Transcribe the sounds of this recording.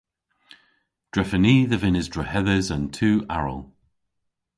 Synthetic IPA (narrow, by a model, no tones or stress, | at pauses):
d̥ɹɛfəniːðəvɪnɪzdɹəhɛðəzə̃ntʰʉːʔa̰ɹə̰lˠ